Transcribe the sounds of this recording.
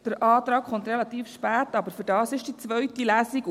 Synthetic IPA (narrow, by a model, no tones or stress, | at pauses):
d̥əɾʔɑːt̪ɾɑːkχɔnt̪relɑt̪iːfʃpæːtɑbəɾfʏɾdɑːsɪʃd̥it͡sʋœɥtilæːsiɡ